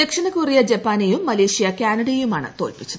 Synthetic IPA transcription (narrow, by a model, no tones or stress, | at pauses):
ekʂɐnɐkurijɐd͡ʑepːaːnejumːɐleːʂijɐkaːnɐɽijumaːɳɨ̰t̪o̞ːlpit͡ɕːuðɨ